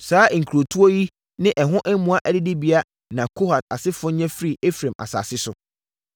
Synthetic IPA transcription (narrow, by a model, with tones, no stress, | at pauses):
saː˨˦˨ŋ̩˨kʰɾo˨tʰu˦o˦ji˦ | nɪ̃˦ʔɛ˨ɦʊ̃˦ʔɛ˦mũ˦a˦ʔɛ˦dɪ˦dɪ˦bi˦a˦ | nã˨kʰo˦ha˨t̚a̰˨sɪ˦fʊ˦ɲɛ̃˦fɾi˦˨e˦fɾeã˨mʔa̰˨sa̰˨sɪ˦sʊ˨